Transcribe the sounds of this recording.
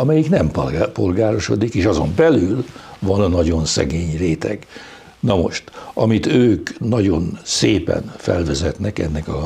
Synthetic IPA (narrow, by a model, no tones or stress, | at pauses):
ɒmɛjiknɛmpo̞lɡaːɾo̞ʃo̞̰d̪ikeːʃɒzo̞mbɛlylvɒnnːɒɟo̞nsɛ̰ɡeːɲreːt̪ɛɡ̥ | nɒmo̞̰ʃt̪ɒmit̪øːknɒɟo̞nseːpɛ̰nfɛ̰lvɛzɛt̪nɛkɛ̰nːɛkɒ